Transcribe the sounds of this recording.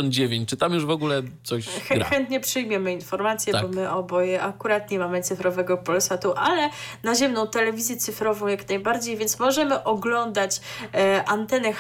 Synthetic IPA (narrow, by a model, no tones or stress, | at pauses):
ɔnd̪̚d͡ʑevʲjeɲt͡ɕt͡ʂɘt̪amjuʐvɔɡulɛt̪sɔɕxxɛnt̪ɲɛpʂɘjmʲjɛmɘinfɔɾmat̪sʲjɛbɔmɘʔɔbɔjɛʔakuɾat̪ɲɛmamɘt̪sɘfɾɔvɛɡɔpɔlsat̪uʔalɛnaʑɛmnɔ̃w̃t̪ɛlɛvʲizʲjɛt̪sɘfɾɔvɔ̃w̃jaknajbaɾd͡ʑejvʲjɛnt̪smɔʐɛmɘʔɔɡlɔnd̪at͡ɕʔant̪ɛnɛx